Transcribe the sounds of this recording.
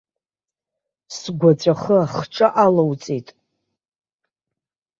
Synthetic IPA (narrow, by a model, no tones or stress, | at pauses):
sɡʷat͡sʷʰʼaχəaχʈ͡ʂʼaʔalawt͡sʼitʼ